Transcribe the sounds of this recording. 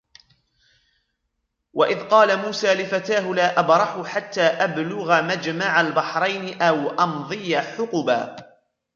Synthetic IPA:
wʔaʔɪðqɑːlamuːsaːlɪfat̪aːɦʊlaːʔabɾˤɑħʊħat̪ːaːʔablʊɣamad͡ʒmaʕalbɑħɾˤɑjnɪʔawʔɑnðˤɨjaħʊqʊba̰ː

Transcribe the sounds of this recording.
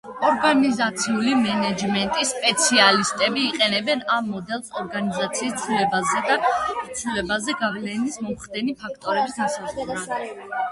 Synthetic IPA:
ɔɾɡanizat̪sʰiulimɛnɛd͡ʒmɛnt̪ʼisːpʼɛt̪sʰialist̪ʼɛbiːqʼɛnɛbɛnamːɔd̪ɛlˠsɔɾɡanizat̪sʰiːst̪sʰulɛbazɛd̪at̪sʰulɛbazɛɡavlɛnismɔmχd̪ɛnipʰakʰt̪ʼɔɾɛbisasazʁuɾa

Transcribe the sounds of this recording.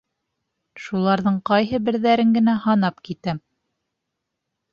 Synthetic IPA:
ʃulˠɑɾðɤɴqɑjɦɤbɘ̆ɾðæɾɘŋɡɘ̆næhɑnɑpkit̪æm

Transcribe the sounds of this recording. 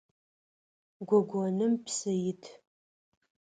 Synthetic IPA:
ɡʷɔɡʷɔnɨmpʰsɐjɪtʰ

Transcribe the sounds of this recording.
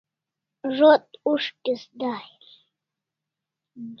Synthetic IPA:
ʐot̪uʂkisd̪aːhil | d

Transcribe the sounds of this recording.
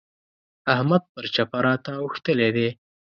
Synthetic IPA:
ahmad̪̚pəɾt͡ʃapaɾɑt̪auxt̪əled̪e

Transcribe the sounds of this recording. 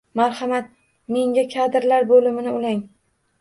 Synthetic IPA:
maɾhamat̪̚ | me̞ŋɡʲakʲʰad̪ɪɾlaɾbolɪmɪnɪʊlaŋ

